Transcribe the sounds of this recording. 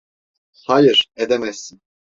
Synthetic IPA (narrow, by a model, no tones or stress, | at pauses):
hajiɾ̥ed̪emɛsːin